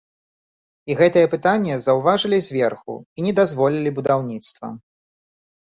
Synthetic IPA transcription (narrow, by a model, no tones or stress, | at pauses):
iɣɛt̪ɨjɐpɨt̪anʲːɛzɐwvaʐɨlʲizʲvʲɛrxṵinʲɛd̪azvɔlʲilʲibud̪awnʲit̪st̪vɐ̰